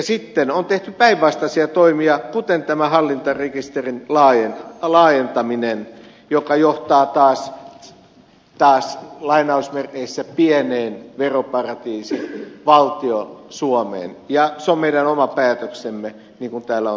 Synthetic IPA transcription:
jɑsit̪ːenont̪eht̪ypæiʋʋɑst̪ɑsiɑt̪oimiɑkut̪ent̪æmæhɑlːint̪ɑrekist̪erinlɑːjenlɑːjent̪ɑminen | jokɑjoht̪ɑːt̪ɑːs | t̪ɑːslɑinɑusmereisːæpiɛneːnʋeropɑrɑt̪iːsinʋɑlt̪iosuomḛːnjɑseommeiɾænomɑpæːt̪øksemːe | niːŋkunt̪æːlːæo

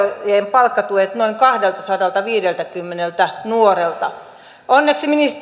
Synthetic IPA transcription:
jeːmpɑlkːɑt̪uet̪noiŋkɑhdelt̪ɑsɑdɑlt̪ɑʋiːdelt̪ækymːenelt̪ænuorelt̪ɑ | onːeksiminis

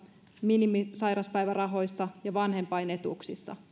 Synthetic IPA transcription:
minimisɑjɾɑspæjʋærɑɦo̞jsːɑjɑʋɑnɦe̞mpɑjne̞t̪uksisːɑ̰

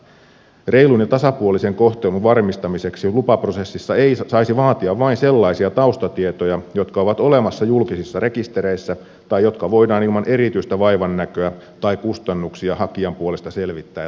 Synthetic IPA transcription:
re̞jlunjɑt̪ɑsɑpuolise̞ŋko̞ht̪elunʋɑrmist̪ɑmise̞ksilupɑprose̞sːisːɑeisɑisiʋɑːt̪iɑʋʋɑinse̞lːɑisiɑt̪ɑust̪ɑt̪iet̪ojɑjo̞t̪kɑo̞ʋɑt̪o̞le̞mɑsːɑjulkisisːɑre̞kist̪e̞ɾe̞isːæ | t̪ɑjjo̞t̪kɑʋo̞jdɑːnilmɑnʔe̞ɾit̪yist̪æʋɑjʋɑnːækøæ | t̪ɑikust̪ɑnːuksiɑhɑkiɑmpuole̞st̪ɑse̞lʋit̪ːæː

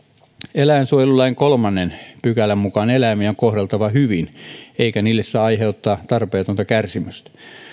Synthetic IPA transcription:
elæˑensuojelulːˑɑiŋkolmɑnːenpykælæmmukɑnelæmiæoŋkohɾelt̪ɑʋɑhyʋineikæniːlːessæɑiheut̪ːɑːt̪ɑrpeːt̪ont̪ɑkærsimøst̪æ̥

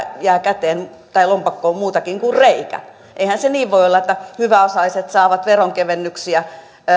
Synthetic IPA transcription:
jæːkæt̪eːn | t̪ɑilompɑkːoːmmuːt̪ɑkiŋkurreikæ̰ | ʔeihænseniːʋʋoiolːɑet̪ːæhyʋæosɑliset̪sɑːʋɑt̪ʋeroŋkeʋenːyksiæ

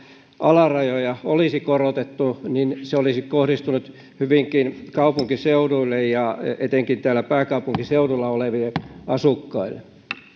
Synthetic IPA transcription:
ʔɑlɑrɑjojɑolisikorot̪et̪ːuninseolisikohɾist̪unut̪ | hyʋiŋkinkɑupuŋkiseuduilːejjɑet̪eŋkint̪æːlːˑæpæːkɑupuŋkiseudulːɑoleʋilːˑeɑsukːɑilːe

